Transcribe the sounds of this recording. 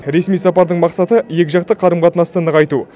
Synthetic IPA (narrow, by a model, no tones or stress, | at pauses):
ɾe̞smijsɑpɑɾd̪əɴmɑqsɑt̪əje̞kʲɪʒɑq̚t̪əqʰɑɾəmʁɑt̪ənɑst̪ənəʁɑjt̪u